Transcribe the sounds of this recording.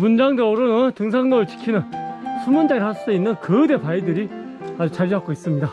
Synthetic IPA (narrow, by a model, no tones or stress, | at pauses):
mund͡ʑaŋdeɾonɯntɯŋsʰaŋnʌɯɭt͡ɕi̥kʰinɯnsʰumund͡ʑaeɭhass͈ɯinːɯnkɯde̞paidɯɾi | ad͡ʑut͡ɕaɾiɦak͈ois͈ɯmɲida